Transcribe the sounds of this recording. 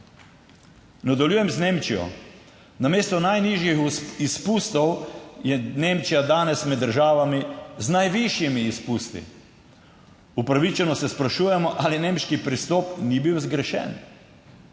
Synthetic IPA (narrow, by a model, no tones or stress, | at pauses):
nad̪ɐljuːjɛmzneːmt͡ʃijɔ̰ | nameːst̪ɔnajniʒjixispuːst̪ɔwjɛneːmt͡ʃijad̪aːnɛsmɛd̪ːəɾʒaːʋamiznajʋiʃjimiːspuːst̪ḭ | upɾaʋit͡ʃɛnɔsɛspɾaʃuːjɛmɔʔalineːmʃkipɾist̪ɔːpnibiwzɡɾɛʃɛ̰n